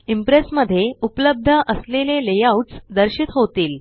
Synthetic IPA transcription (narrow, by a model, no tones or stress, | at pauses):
impɾesməd̪ʱːjeupləb̚d̪ʱəʔəslelelejauʈt͡sd̪əɾɕit̪ɦot̪iːl